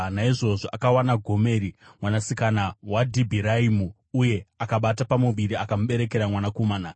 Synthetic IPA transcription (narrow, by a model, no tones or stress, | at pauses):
naiʐo̞ʐo̞ʔakawanaɡʱo̞me̞ːɾimwanasikanawadʱibʱiɾaimu | uje̞akaɓatapamuʋiɾiakamɓe̞ɾe̞ke̞ɾamwanakomaːna